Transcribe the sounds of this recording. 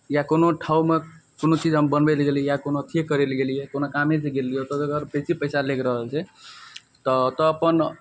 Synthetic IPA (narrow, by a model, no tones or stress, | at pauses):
jakonoʈʰaumekonot͡ʃid͡ʒɦəmbənbelɡeliɛjakonoət̪ʰijekəɾelɡelijekonokameseɡelijot̪ɔəɡəɾpet͡ʃipəɪsalekɾəɦəlt͡ʃʰɛ | t̪ɔt̪ɔːpən